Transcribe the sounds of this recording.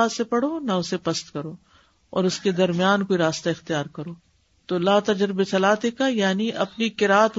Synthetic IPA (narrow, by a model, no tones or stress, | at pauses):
aːsepɐɽoːnɐʊsepɐst̪kɐɾoː | ɔ̰ːɾʊsked̪ɐɾmijaːnkoːiɾaːst̪aɪxt̪ijaːɾkɐɾoː | t̪oːlaːt̪ɐd͡ʒɾbet͡ʃɐlaːt̪ekajaːniʔɐpnikɪɾaːt̪